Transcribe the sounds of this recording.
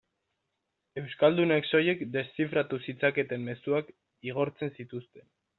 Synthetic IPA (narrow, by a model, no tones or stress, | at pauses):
e̞wskald̪unekso̞je̞kd̪e̞st͡sifɾat̪usit͡sake̞t̪e̞mme̞suak | iɣ̞o̞ɾt͡se̞nsit̪ust̪e̞n